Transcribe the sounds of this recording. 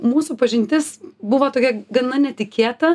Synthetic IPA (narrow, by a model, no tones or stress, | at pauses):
muːsuːpɐʒʲɪnʲt̪ʲɪsbʊʋoːt̪oːkʲɛɡɐnɐnʲɛt̪ʲɪkʲeːt̪ɐ